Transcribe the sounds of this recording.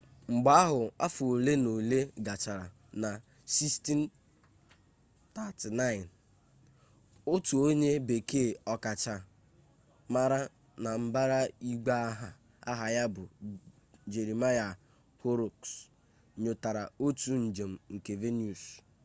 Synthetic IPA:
ŋ͡m̩˨ɡ͡ba˦a˦ɦʊ˨a˦fʊ˨o˨le˦no˨le˦ɡa˨t͡ʃa˨ɾa˨ | na˨ | si˦sti˦n˦ | ta˦ti˨na˦ɪ˨n | o˦tu˨o˦ɲe˦be˨kʰeː˦˨ɔ˦ka˨t͡ʃa˨ | ma˦ɾa˦ | na˨m̩˦ba˦ɾa˦i˦ɡ͡ba˦a˦ɦa˨ | a˦ɦa˨ja˦bʊ˨ | d͡ʒe˨ɾi˨ma˦ja˨ | ho˦ɾo˨ks | ɲo˨ta˨ɾa˨o˦tu˨n̩˨d͡ʒe˨m̩˨ŋ̩˨ke˨ve˦ni˦u˨s

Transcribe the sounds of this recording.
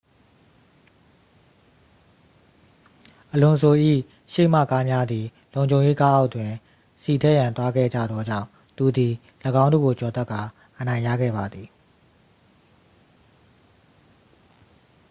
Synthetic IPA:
ʔəlʊ̃˨sʰo˨ʔḭ˦˨ | ʃḛ˦˨m̥ä̰˦˨ka˦mja˦d̪ði˨ | lõ˨ʊ̃ɲd͡ʑʱõ˨ʊ̃je˦ka˦ʔa˦ʊʔtːwɪ̃˨ | si˨tʰɛ˦˨jã˨nt̪wa˦ɡɛ̰˦˨d͡ʑä̰˦˨d̪ðɔ˦d͡ʑã̰˦˨ʊ̃ | t̪u˨d̪i˨ | lə˨ɡã˦ndo̰˦˨ɡo˨t͡ɕɔ˨t̪ɛ˦ʔkːa˨ | ʔənã˨ɪ̃ja̰˦˨ɡɛ̰˦˨ba˨d̪ði˨

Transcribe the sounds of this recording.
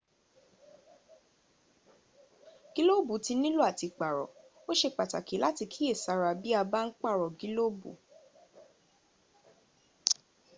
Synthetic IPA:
ɡ̥i˨˦lo˦˨bu˨˦ti˧nĩ˦lu˦a˦˨ti˧k͡pa˨ɾɔ̰˨ | o˦ʃe˧˨k͡pa˨ta̰˨ki˨˦la˦ti˧kʰi˦e˦˨sa˧ɾa˧bi˦a˧ba˦n̩˦k͡pa˦˨ɾɔ˨ɡi˨˦lo˦bṵ˨˦

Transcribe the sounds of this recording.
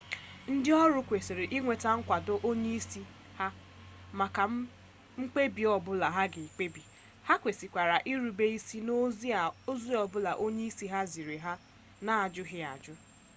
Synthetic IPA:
n̩˦dɪ˦ɔ˦ɾʊ˦kʷe˨se˨ɾe˨ʔi˦ŋʷe˨ta˦ŋ̩˦kʷa˨do˦ʔo˦ɲe˦i˦si˦ | ha˦ | ma˨ka˨ | ŋ͡m̩˦k͡pe˦bi˨ɔ˨bʊ˦la˨ɦa˦ɡɪ˨k͡pe˦bi˨ | ha˦kʷe˨si˨kʷa˨ɾa˨ʔi˦ɾu˨be˦i˦si˦no˦zo˦zi˦ɔ˨bʊ˦la˨ʔo˦ɲe˦i˦si˦ɦa˦zi˨ɾe˨ɦa˦ | na˨a˨d͡ʒʊ˦ɦɪ˦a̰˨d͡ʒʊ˦

